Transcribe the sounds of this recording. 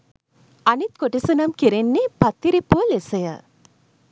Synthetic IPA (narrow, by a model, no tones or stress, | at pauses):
ɐnit̪̚koʈisunɐmkiɾenːepɐt̪ːiɾepuɐlesɐjə̰